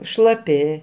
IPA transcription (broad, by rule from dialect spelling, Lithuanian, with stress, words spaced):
ʃlˠɐˈpʲɪ